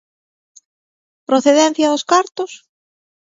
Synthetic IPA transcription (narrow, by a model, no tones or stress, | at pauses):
pɾoθeðɛn̟θjɐðʊskaɾt̪ʊs